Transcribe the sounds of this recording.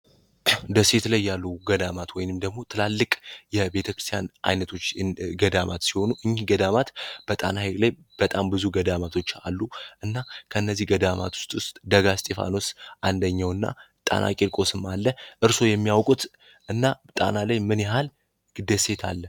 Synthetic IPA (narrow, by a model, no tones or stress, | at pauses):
d̪əse̞t̪lajːalːuɡəd̪amat̪wɔjnɨmd̪əɡmo̞t̪ʰɨlalːɨkʼjɛbe̞t̪ʰəkɾɨst̪ʰjanʔa̰jnət̪ʰo̞t͡ʃːɡəd̪ama̰t̪siho̞nuʔɨɲːiɡəd̪amat̪b̥ət̪ʼa̰nahelaj | b̥ət̪ʼambɨzuɡəd̪amat̪ʰo̞t͡ʃːa̰lːuʔɨnːakʰəɨnːəzːihɡəd̪ama̰t̪ʰwʊ̥st̪ʼwʊst̪ʼd̪əɡast̪ʼe̞fa̰no̞sʔand̪əɲːawɨnːa̰ | t̪ʼa̰nʔa̰kʼelkʼo̞sɨmalːəʔɨɾso̞jɛmːijawkʼut̪ | ʔɨnːat̪ʼa̰nalajmɨnjɛɦal | ɨd̪əse̞t̪ʰa̰lːə